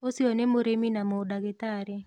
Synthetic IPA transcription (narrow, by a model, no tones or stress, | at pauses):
osionemoɾeminamodaɡɪt̪aɾɛ